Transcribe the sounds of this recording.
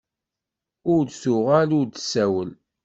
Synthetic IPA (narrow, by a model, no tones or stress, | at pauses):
ʊɾdθʊʁælʊɾd̪sæwəl